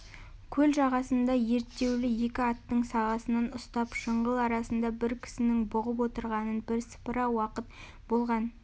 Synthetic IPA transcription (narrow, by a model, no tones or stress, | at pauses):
kʲʰɵlʒɑʁɑsənd̪ɑje̞ɾt̪ːe̞wlɪje̞kʲɪɑt̪ːəɴsɑʁɑsənɑnʊst̪ɑpʃəɴʁəlˠɑɾɑsənd̪ɑbɪɾkʲʰɪ̥sɪnɪŋbʊʁəp̬wo̞t̪əɾʁɑnənbɪɾsə̥pəɾɑwɑqət̪ | bo̞lˠʁɑn